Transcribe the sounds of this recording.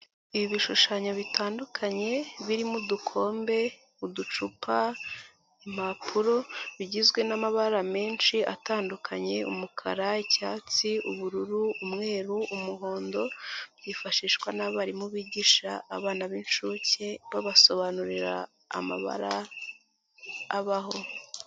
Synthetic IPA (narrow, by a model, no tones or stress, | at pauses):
iiβiʃuʃaɲoβitʰaːndukʰaɲe̞βiɾimudukʰo̞ːmbe̞ | udut͡ʃupʰa | im̥apʰuɾo̞βiɟizɡwe̞namaβaɾame̞ːnʃiʔataːndukʰaɲe̞ṵmukʰa̰ɾaicaːt͡siʔuβuɾuɾuːmŋe̞ːɾuumuɦo̞ːndo̞bjiːfaʃiːʃkwanaβaɾimuβiːɟiʃa̰ːβaːnaβinʃuːceβaβaso̞βanuɾiɾa̰ː | ma̰βa̰ɾa | βaɦo̞